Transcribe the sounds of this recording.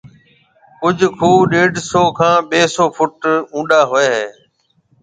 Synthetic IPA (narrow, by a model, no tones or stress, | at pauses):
kʊd͡ʒʱkʰuːɗeːɖsoːkʰãːɓeːsoːfʰʊʈũːɗaːɦʊeːɦeː